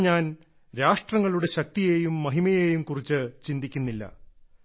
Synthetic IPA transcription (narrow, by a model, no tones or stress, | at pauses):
ɲaːn | ɾaːʂʈrɐŋːɐɭuɽe̞ɕɐk̚t̪ije̞ːjumːɐɦimɐjeːjumkurit͡ɕːɨt͡ɕind̪ikʲːunːilːɐ̰